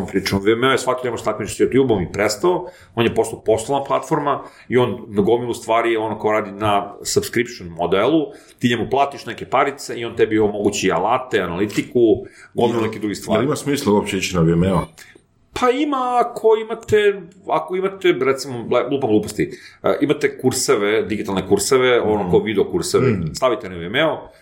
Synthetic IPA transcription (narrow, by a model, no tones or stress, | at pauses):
ompɾiːt͡ʃɐʋeemeojesʋakkoɲemoʃt̪akment͡ʃsjot̪jubomipɾest̪ao | o̞njepo̞st̪apo̞st̪olˠaplˠat̪fo̞ɾma | io̞nːaɡomilˠust̪ʋaːɾijeo̞nokaoɾaːd̪inasabskɾipʃonmod̪elˠut̪iːɲemuplˠaːt̪iʃnekepaɾit̪seio̞nt̪ɛbiomo̞ɡut͡ɕia̰lat̪eanalit̪ikuɡomilunekid̪ɾuɡist̪ʋaːɾimasmiːslauopt͡ɕeit͡ɕinaʋiemeo | pʰaimaːkʰo̞imat̪eako̞imat̪eɾet̪simoleɡlˠuːpaɡluːpost̪iʔimat̪ekuɾseʋed̪iɡit̪alˠnekuɾseʋeo̞nokoʋid̪eokuɾseʋest̪aʋit̪eneʋiemeo